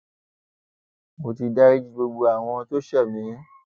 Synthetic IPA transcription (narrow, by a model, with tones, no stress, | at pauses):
mo˨ti˧da˦ɾi˦d͡ʒi˦ɡ͡bo˧ɡ͡bo˧a˨w̃ɔ̃˧to˦ʃɛ˦˨mĩ˨˦